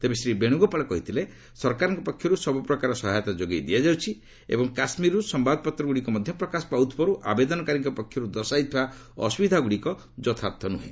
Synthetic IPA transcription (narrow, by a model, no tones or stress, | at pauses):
t̪ebesɾibeɽ̃uɡɔpaɭɔkɔɦit̪ʰile | sɔɾkaɾɔŋkɔpɔkʰjɔɾusɔbupɾɔkaɾɔsɔɦajɔt̪ad͡ʒoɡejd̪ijad͡ʒawt͡ʃʰi | ḛbɔŋkasmiɾusɔmbad̪ɔpɔt̪ɾɔɡuɽikɔmɔd̪ʱjɔpɾɔkasɔ̥pawt̪ʰpɔɾuʔa̰bed̪ɔnɔkaɾiŋkɔpɔkʰjɔɾud̪ɔsajt̪ʰba | ɔ̰subid̪ʱaɡuɽikɔ | d͡ʒɔt̪ʰat̪ʰɔnuɦḛ̃